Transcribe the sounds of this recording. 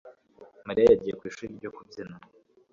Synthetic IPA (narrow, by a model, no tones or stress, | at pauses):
maɾiajaɟiːjekwiːʃuɾibɟokubzina